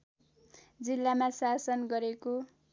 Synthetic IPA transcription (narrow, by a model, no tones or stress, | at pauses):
d͡zilːamasasʌnɡʌɾeko